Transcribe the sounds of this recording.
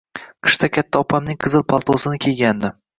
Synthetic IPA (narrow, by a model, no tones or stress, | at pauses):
qʰɨ̥ʃt̪ʰakʲʰat̪ʰːaɒpʰamnɪŋqʰɨzɨlˠpʰalˠt̪ʰosɪnɪkʲʰeɡʲand̪ɪ